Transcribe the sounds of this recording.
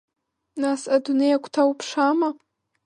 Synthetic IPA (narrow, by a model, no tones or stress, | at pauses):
nasadunejakʷʰʼtʰawupʰʂama